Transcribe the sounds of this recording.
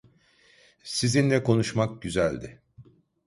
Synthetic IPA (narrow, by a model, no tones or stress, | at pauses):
sizinlʲɛko̞nuʃmak̚ɟyzælʲd̪ɪ